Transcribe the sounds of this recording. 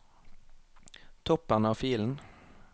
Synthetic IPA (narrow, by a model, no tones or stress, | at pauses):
t̪ʰɔpəʁnəɑːfiːln̩